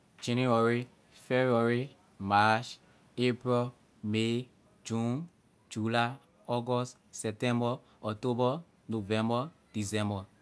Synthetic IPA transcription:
d͡ʒɛ̃nuɛɹi | febuɛɹi | mat͡ʃ | epɹɛ | me | d͡ʒũn | d͡ʒula | ɔɡɔst | sɛp̚tɛ̃mbɔ | ɔtobɔ | novɛ̃mbɔd̥isɛ̃mbɔ

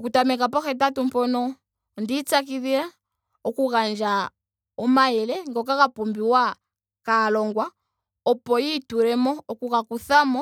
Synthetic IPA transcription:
ɔkutamɛkapɔxɛt̬atum̩pɔnɔ | ndit͡sakiðiɾa | ɔkukand͡ʒa | ɔmaɛlɛŋɡɔk̬akapɔmbiwa | kalɔŋɡwa | ɔpɔjituɾɛmɔɔkukakuθamɔ

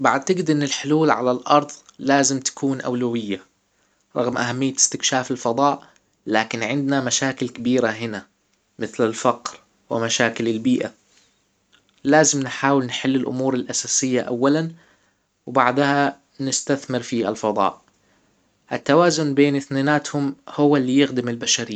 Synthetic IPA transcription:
baʕad̪̚t̪ɪɡɪd̪ʔɪnːɪlħʊluːlʕalalʔɑɾˤðˤlaːzɪmt̪ḁkuːnʔa̰wlawɪjːa | ɾˤɑɣmʔaɦamːɪjːat̪ɪ̥st̪ɪkʃaːfɪlfɑd̪ˤɑːʔ | laːkɪnʕɪnd̪namaʃaːkɪlkabiːɾaɦɪna | mɪθlalfɑqɾ | wɪ̰maʃaːkɪlɪlbiːʔa | laːzɪmnħaːwɪlnħalːɪlʔʊ̰muːɾɪlʔasaːsɪjːaʔa̰wːalan | wbaʕd̪ha | nɪst̪aθmɪɾfia̰lfɑd̪ˤɑ̰ːʔ | ʔɪt̪ːawaːzʊnbeːnɪθnaːnaːt̪hʊmhʊwːalːijɪxd̪ɪmɪlbaʃaɾɪːa

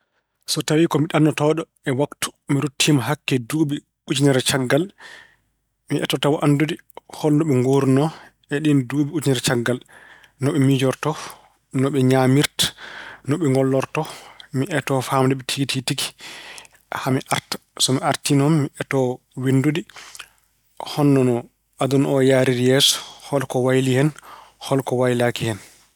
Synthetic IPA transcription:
sɔtawikɔmiɗanːɔtɔːɗɔ | ɛwaktu̥miɾutʰːimaɦakːɛduːbi | ud͡ʒinɛɾt͡ʃaɡːal | miʔɛ̰tɔtawaʔandudihɔlnɔɓɛŋɡoːɾnɔ | ɛɗinduːbiud͡ʒinɛɾt͡ʃaɡːal | nɔɓɛmid͡ʒɔɾtɔ | nɔɓɛɲamiɾtḁnɔɓɛŋɡɔlːɔɾtɔmiʔɛtɔfamdɛɓɛtʰiɡititiki̥ | hamiʔaɾtḁ | sɔmiaɾtinɔmːiʔɛtɔ | windudi | hɔnːɔnɔ | ad̪unɔjaːɾiɾijɛsɔ̥hɔlkɔwajlihɛnhɔlkɔwajlakihɛn

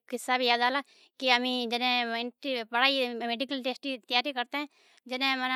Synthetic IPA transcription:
kɪsːabʱijaːd̪aːla | kiəmĩd͡ʒɪnẽɪʈbəɽaːimeːɖikəlʈeːsʈit̪əjaːɾikəɾt̪eɦɛ̃ː | d͡ʒɪnẽmən

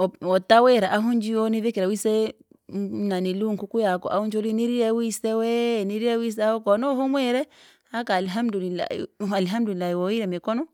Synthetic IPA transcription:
ɔɔtawɛɾaʔaɦund͡ʒioniðɛkɛɾawisɛ | naniluŋkukujakɔ̰ʔaunt͡ʃoliniɾiɾɛwisɛwɛniɾiɾɛwis̬ɛaɔkɔnɔhumwɛɾɛ | hakalɦamdulila̰alɦamdulilːaiwɔiɾɛmɛkɔnɔ

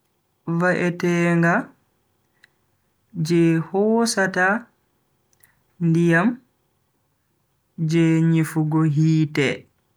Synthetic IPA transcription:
vaʔɛtɛːŋɡa | d͡ʒɛhɔːsata | ndijam | d͡ʒɛɲifuɡɔɦiːtɛ

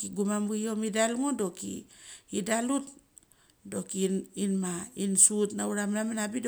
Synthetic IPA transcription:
kiɡumamio̞midalŋodo̞kḭidalut | do̞kininmainsutnauɾamnaminabido

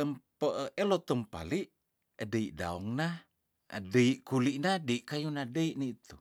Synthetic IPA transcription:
əmpəʔʔelot̪əmpa̰liʔ | adəiʔda̰ɔŋna | a̰dəiʔkuliʔnadəiʔkajunadəiʔniit̪u

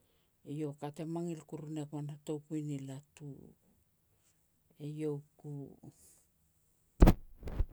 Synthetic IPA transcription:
ejo̞kate̞maŋilkuɾunekuanato̞wkunilatu | ejo̞ku

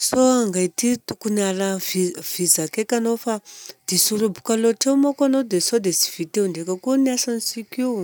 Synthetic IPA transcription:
soaŋɡaititukunaraviv̥izakekanofad̪̥isuɾubukaloteumakanod̪esod̪esi̥viteundekakuniasansikuu

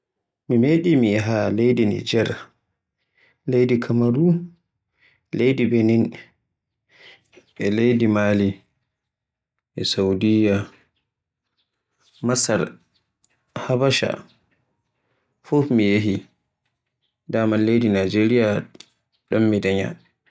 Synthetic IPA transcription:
mimeɗimiɦalejdinḭd͡ʒɛɾa | lejdikʰamaɾu | lejdibenin | ɛlejdimali | ʔɛsawdija | masaɾ | habaʃa̰ | fufmijeɦi | daːmanlejdinad͡ʒeɾija | ɗɔmːidaɲa̰

